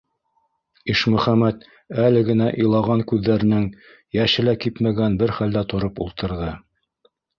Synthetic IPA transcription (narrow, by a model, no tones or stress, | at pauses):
iʃmɵ̆χæmæt̪ | ælɘ̆ɡɘ̆næʔɤ̆jlˠɑʁɑŋkʉðːæɾɘ̆nɘŋ | jæʃɘ̆lækipmæɡænbɘɾχæld̪æt̪ŏɾopṵlˠt̪ɤ̆ɾðɤ